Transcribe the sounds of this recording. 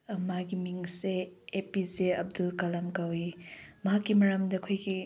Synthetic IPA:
maɡimiŋseːpizeɐb̚dulkɐlɐmkawimɐɦakːimɐɾɐmdɐkʰojɡi

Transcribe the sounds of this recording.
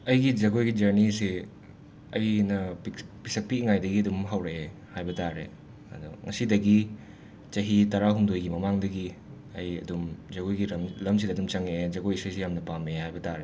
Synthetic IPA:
ɐjɡid͡ʒɐɡojɡid͡ʒɐɾnisi | ɐjnɐppisɐk̚piŋajdɐɡiɐdumɦawɾe | hajbɐtaɾḛ | ɐ̰dṵŋɐsidɐɡi | t͡ʃɐɦitaɾaɦuŋdojɡimɐmaŋdɐɡi | ɐjɐ̰dumd͡ʒɐɡojɡimlɐms̬idɐdumt͡ʃɐŋed͡ʒɐɡojsɐjsijamnɐpamehajbɐtaɾe

